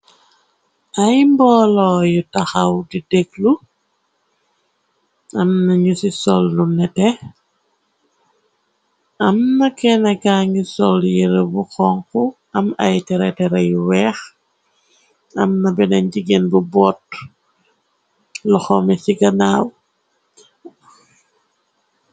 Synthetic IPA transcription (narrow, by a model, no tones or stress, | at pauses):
ʔajmbɔlɔjutaxawdideklu | ɐmnɐɲusisɔlːunɛtɛ | ɐmnɐkɛnɐkaːɲisɔljiɾəbuxɔŋku | ɐmɐjtɛɾɛtɛɾɐjwɛːx | ɐmnɐbɛnɐɲɟiɡenbubɔːt̚ | lɔxɔmɛsiɡɐnaːw